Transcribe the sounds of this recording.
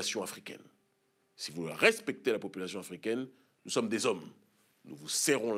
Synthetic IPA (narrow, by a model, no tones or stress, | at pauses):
asjɔ̃afχikʲɛ̰n | sivula̰ʁɛspɛk̚t̪elapɔpylasjɔ̃afχikʲɛn | nusɔmd̪ezɔm | nṵvusɛʁɔ̃l